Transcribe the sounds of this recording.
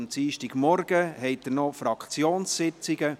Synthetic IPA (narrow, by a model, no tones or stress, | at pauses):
mt͡siːʃtiɡ̥mɔɾɡ̥əɦɛɪt̚d̪nɔfɾɑkt͡sjoːnssɪt͡sɪɡə